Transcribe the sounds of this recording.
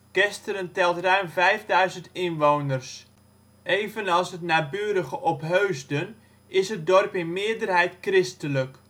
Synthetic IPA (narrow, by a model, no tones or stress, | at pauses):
ɡ̥ɛstəɾəntɛlˠtrœɥnvɛjvdœɥzəntɪnʋownərs | ejvənɑlˠsɦətnaːbyːdəɣəʔɔpɦøɥzdən | ɪsɦət̚dɔrpɪnmɪədərɦɛjtkrɪstələk